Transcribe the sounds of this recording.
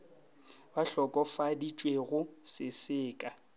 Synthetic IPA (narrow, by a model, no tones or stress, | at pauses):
baɬɔkʼɔfadit͡ʃʼweɣʊsɪsɪːkʼa